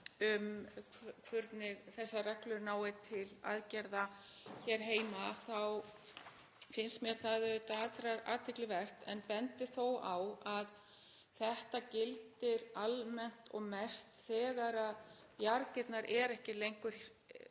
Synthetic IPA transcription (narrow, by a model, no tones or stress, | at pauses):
ʏmkʰkʰvʏɾt̪nɪɣθɛsːarɛklʏɾnaːwɪt̪ʰɪla̰ðcɛɾða | çɛɾ̥ɦeːjmaθaw | fɪnst̪mɛɾθaðɪt̪aat̪ɾaɾa̰ːt̪ʰɪklɪvɛr̥t̪ɛ̰npɛnt̪ɪθowawað | θɛht̪acɪlt̪ɪɾalmɛn̥t̪ɔ̰ɣmɛst̪θɛːɣaɾað | jaɾcɪt̪naɾʔɛɾɛhcɪlejŋkʏɾ̥